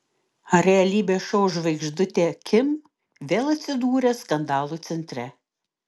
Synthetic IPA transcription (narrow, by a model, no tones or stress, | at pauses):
ɐɾʲɛɐlʲiːbʲeːʃɔːʒʋɐɪɡʒd̪ʊt̪ʲeːkʲɪm | ʋʲeːlˠɐt̪ʲsʲɪd̪uːɾʲɛskɐnd̪ɑːlˠuːt̪sʲɛnʲt̪ʲɾʲɛ